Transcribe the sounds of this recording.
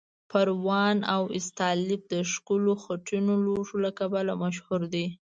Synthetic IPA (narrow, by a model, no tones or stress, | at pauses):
paɾwɑnawɪ̰st̪ɑlɪb̚d̪əʃkuloxaʈinoloʐolakabalamaʃhuɾd̪i